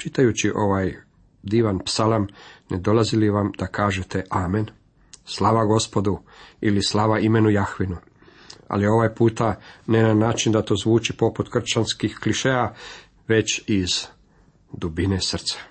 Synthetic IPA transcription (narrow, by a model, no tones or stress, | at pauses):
t͡ʃit̪ajut͡ɕiʔo̞ʋaːj | d̪iːʋanpsalamned̪o̞lˠaziliʋamd̪akaːʒet̪e̞ʔaːmen | slˠaːʋaɡo̞spo̞d̪uilislaːʋaime̞nujaxʋinu | a̰lio̞ʋaːjpuːt̪anenanaːt͡ʃind̪at̪o̞zʋuːt͡ʃipo̞put̪kr̩t͡ʃanskixkliʃea | ʋe̞t͡ɕiz | d̪ubine̞sr̩t̪sḁ